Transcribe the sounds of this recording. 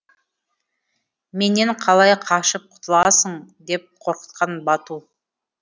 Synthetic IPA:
me̞neɴqʰɑlˠɑjqʰɑʃəp̚qʰʊ̥t̪əlˠɑsəɴd̪e̞p̚qʰo̞ɾqə̥t̪̚qʰɑnbɑt̪u

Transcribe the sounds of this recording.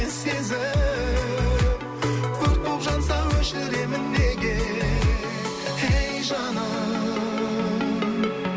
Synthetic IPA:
esezɪ | kʲʰɵɾk̚bopʒɑt̪sɑwɵʃɪɾe̞mɪnd̪eɡʲe | ejʒɑnɑ

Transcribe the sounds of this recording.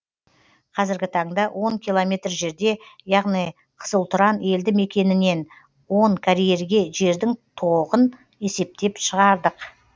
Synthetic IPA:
qʰɑzɪɾɡʲɪt̪ʰɑɴd̪ɑwʔo̞ŋkʲilˠo̞mʲe̞t̪rʒe̞ɾd̪e̞jɑʁnij | qʰə̥səlˠt̪ʊɾɑne̞ld̪ɪme̞kʲe̞nɪne̞n | wo̞ɴkʲʰaɾijeɾɡʲe̞ʒe̞ɾd̪ɪŋt̪ʰo̞ʁən | e̞se̞p̚t̪e̞pʃəʁɑɾd̪əq

